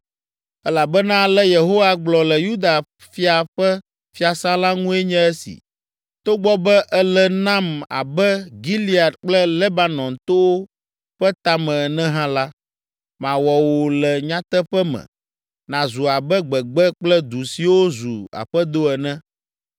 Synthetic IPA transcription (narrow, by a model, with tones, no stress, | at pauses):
ɛ˦la˨bɛ˦nã˦lɛ˦je˨ɦo˦wa˦ɡ͡blɔ˨lɛ˨ju˦d̪a˨ | fi˦a˨ɸɛ˦ | fi˦a˨sã˦la˦ŋũ˦ɛ˦ɲɛ̃˦ɛ˦sḭ˨ | t̪o˦ɡ͡bɔ˦bɛ˦ʔɛ˦lɛ˨nã˦ma̰˨bɛ˦ɡi˦li˦a˨d̪k͡plɛ˦le˦ba˦nɔ̃˨nt̪o˦wo˦ | ɸɛ˦t̪a˦mɛ̃˨nɛ̃˦ɦã˦la˦ | mã˨wɔ˨wo˨lɛ˨ɲã˦t̪ɛ˦ɸɛ˦mɛ̰̃˨ | nã˨zu˨a˨bɛ˦ɡ͡bɛ˨ɡ͡bɛ˦k͡plɛ˦d̪u˨si˨wo˦zu˨a̰˨ɸɛ˦d̪o˦ɛ˨nɛ̃˦